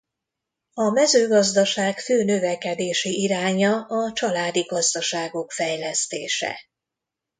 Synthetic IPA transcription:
ɒmɛzøːɡɒzd̪ɒʃaːkføːnøvɛkɛd̪eːʃiiɾaːɲɒɒt͡ʃɒlaːd̪iɡɒzd̪ɒʃaːɡo̞kfɛjlɛst̪eːʃɛ̰

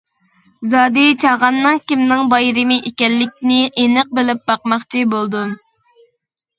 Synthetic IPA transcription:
zɑːd̪ɨt͡ʃʰɑʁɑnːɨŋkʲimnɪŋbɑjɾɪmɪʔekʲɛlːɪk̚ʲnɪʔenɨq̚bɪlɪp̚bɑqmɑχt͡ʃʰibolˠd̪u

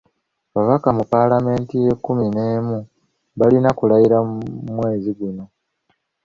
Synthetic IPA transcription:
βaβakamupalame̞ːntije̞kːumineːmu | βalinakulajiɾaumwe̞ːziɡuno̞

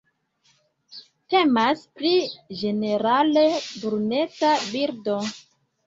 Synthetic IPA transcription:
te̞maspɾid͡ʒe̞ne̞ɾalebuɾune̞tabiɾdo

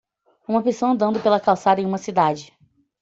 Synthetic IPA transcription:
ũmɐpesoɐ̃nd̪ɐ̃nd̪ʊpelɐkawsad̪ɐẽũmɐsid̪ad͡ʒɪ

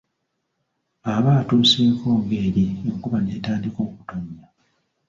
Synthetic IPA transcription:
aβaːtuːseːkʰo̞ːŋɡe̞ɾieŋkuβane̞ːtaːndiko̞ːku̥toɲja

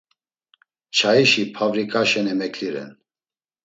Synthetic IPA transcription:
t͡ʃʰaiʃipʰavɾikʼaʃɛnɛmɛkʰliɾɛ̰n

